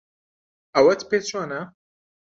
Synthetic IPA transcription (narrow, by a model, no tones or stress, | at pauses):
ɐwɐt̪pet͡ʃʰɑːnɐ